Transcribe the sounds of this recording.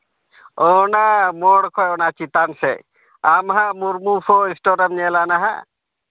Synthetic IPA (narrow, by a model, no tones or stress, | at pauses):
ɔnamɔɽkʰɔjɔnat͡ʃit̪ansɛ̰ | amɦãmuɾmufʰɔĩsʈɔɾamɲɛlanaɦa̰